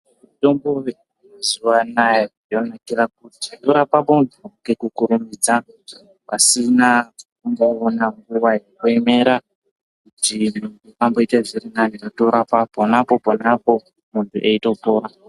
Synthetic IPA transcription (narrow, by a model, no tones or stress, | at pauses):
ito̞mboʋe | oziwanaje | jonakirak̚utito̞ɾapapoundukekukuɾumiːd͡za | pasinakuŋɡoonaŋɡuwajekueme̞ɾa | kutimuntukambo̞iteʐirinaniotoɾapaponapo̞ponapo̞ | muntʰuʔe̞ito̞poːɾa